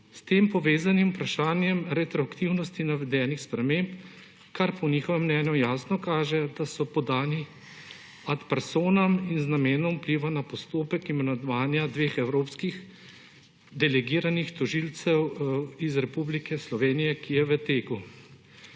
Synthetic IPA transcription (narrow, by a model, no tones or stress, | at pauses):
st̪eːmpɔʋeːzanimupɾaʃaːnjɛmɾɛt̪ɾɔakt̪iwnɔst̪inaʋɛd̪ɛːnixspɾɛmeːmp | kaɾpɔniːxɔʋɛmːnɛːnjɔjaːsnɔkaːʒɛd̪asɔpɔd̪aːni | at̪pɛɾsoːnɐminznameːnɔmupliʋanapɔst̪oːpɛkimɛnad̪ʋaːnjad̪ʋeːxɛwɾoːpskix | d̪ɛlɛɡiːɾanixt̪ɔʒilt̪sɛwizɾɛpublikɛslɔʋeːnijɛkʰijɛʋət̪eːku